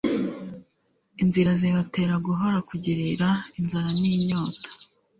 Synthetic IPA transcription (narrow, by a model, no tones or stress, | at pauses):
inziɾaziβate̞ːɾaɡuɦoɾakuɟiɾiɾainzaɾaniːɲo̞ːtḁ